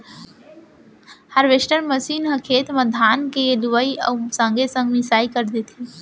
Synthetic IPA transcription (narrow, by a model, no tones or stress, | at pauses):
hɐɾʋeʃʈəɾməsiːnɦəkʰeːt̪məd̪ʱaːnkeluʋəiə̰sə̃ŋɡesə̃ŋɡmɪsaːikəɾd̪et̪ʰi